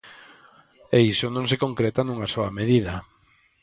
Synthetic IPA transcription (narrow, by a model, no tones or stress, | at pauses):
eisʊnõŋsekoŋkɾet̪anũŋasoameðiðɐ